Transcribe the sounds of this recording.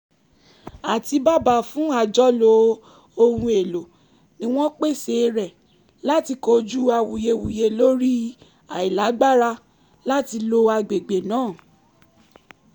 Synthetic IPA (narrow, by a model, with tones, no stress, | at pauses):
a˨ti˧ba˦ba˨˧fũ˨˦a˨d͡ʒɔ˦lo˧˦ | o˦hũ˧e˨lo˨ | nĩ˦w̃ɔ̃˦k͡pe˦˨se˧˨ɾɛ˨ | la˦ti˧ko˧d͡ʒu˦a˧wu˨je˧wu˨je˧lo˦ɾi˦ | a˨i˨la˨˦ɡ͡ba˦ɾa˧ | la˦ti˧lo˧a˧ɡ͡be˨ɡ͡be˨nãː˦˨